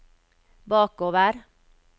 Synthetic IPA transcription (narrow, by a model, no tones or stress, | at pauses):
bɑːkoːʋəɾ